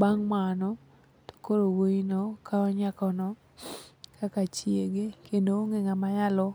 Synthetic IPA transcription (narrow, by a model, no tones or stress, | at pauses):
baŋmanɔ | to̥koɾowoinokaɔɲakɔnɔ | kakat͡ʃjeɡekendooŋeŋamajalɔ